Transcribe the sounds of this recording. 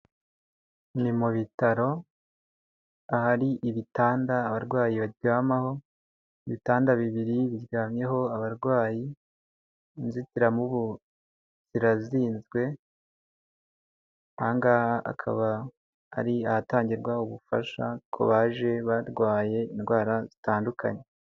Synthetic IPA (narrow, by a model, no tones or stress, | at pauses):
nimuβitaɾo̞ | ahaɾiʔiβitaːndaːβaɾɡwaːjiβaɟaːmaho̞ | iβitaːndaβiβiɾiβiɾɡaːmɲe̞ɦo̞aβaɾɡwaːji | nzitiɾamuβu | z̥iɾaziːnzɡwe̞ | haːŋɡaa̰kʰa̰βa̰ː | ɾiahataːɲɟiɾɡwauβufa̰ʃa̰kʰo̞̰βaːʒe̞βaɾɡwaːje̞inɡwaːɾazitaːndukʰa̰ɲe